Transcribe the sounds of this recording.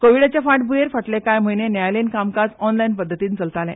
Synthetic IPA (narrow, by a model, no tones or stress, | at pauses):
koʋiɽat͡ɕjafãʈbujeɾfəʈlekajm̤əjnenjajlenkamkat͡sɔnlainpəd̪ʱːət̪iːnt͡səlt̪alɛ̰̃